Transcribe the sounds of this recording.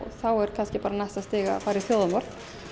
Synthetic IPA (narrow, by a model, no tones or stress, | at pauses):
ɔθawɛɾ̥kʰanscɪpaːɾanast̪ast̪ɪːɣa̰faːɾiθjoːwðamɔɾt̪